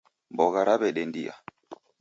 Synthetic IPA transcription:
mbɔɣaɾabɛɗɛndia̰

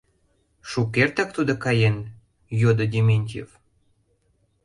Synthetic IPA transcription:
ʃukːert̪ɑkt̪ud̪okɑjen | jod̪odʲemʲenʲtʲjḛv

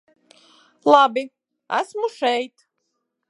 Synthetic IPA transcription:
lˠabi | æ̰smuʃɛjt̪

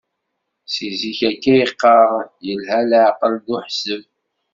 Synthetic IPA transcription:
siziçækːæjəqːɑʁjəlhælʕqəld̪uħsəv

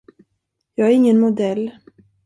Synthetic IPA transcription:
jɑːɡæɾɪŋːənmʊd̪ɛlː

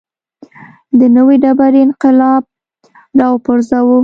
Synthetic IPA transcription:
d̪ənəwiɖabaɾiɪnqɪlɑb̚ | dɑwpʊɾzawu

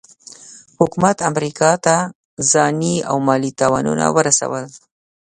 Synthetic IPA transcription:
hʊkumat̪amɾikɑt̪a | zɑnia̰wmɑlit̪ɑwɑnṵna̰wəɾasa̰wəl

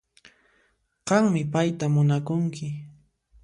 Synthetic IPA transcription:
qɑŋmɪpajt̪amʊnakʊŋkɪ

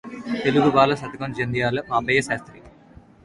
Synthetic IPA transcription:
t̪eluɡubaːlɐsɐt̪ɐkɐnd͡ʒend̪ijaːlɐmaːmbɐjɐsaːst̪ɾi

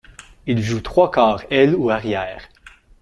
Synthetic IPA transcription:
ilʒut̪χwakʰɑːʁɛluaʁjɛːʁ

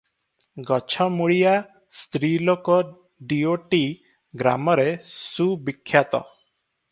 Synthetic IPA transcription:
ɡɔt͡ʃʰɔmuɭija | st̪ɾilokɔ | ɖioʈi | ɡɾa̰mɔɾesubikʰːjat̪ɔ̰

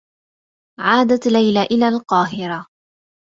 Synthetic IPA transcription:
ʕaːd̪at̪lajlaʔɪlaːlqɑːɦɪɾa

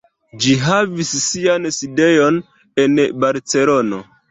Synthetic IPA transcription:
d͡ʒiɦavisːianside̞jo̞n | enbaɾt͡se̞lo̞no̞

